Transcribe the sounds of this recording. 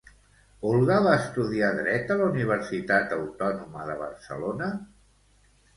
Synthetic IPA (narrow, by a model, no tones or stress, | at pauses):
olˠɣaβaəst̪uðiaðɾɛt̪ələuniβ̞ərsit̪at̪əwt̪ɔnuməðəβ̞ə̰rsə̰lonə